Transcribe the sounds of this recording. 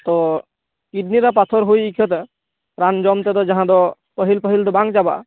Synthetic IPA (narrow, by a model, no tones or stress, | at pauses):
t̪ɔ | kiɖniɾapat̪ʰɔɾɦojikʰjɔt̪ɛ | ɾand͡ʒɔmt̪ɛd̪ɔd͡ʒãɦãd̪ɔ | pəɦilpəɦild̪ɔbãŋɡd͡ʒaba̰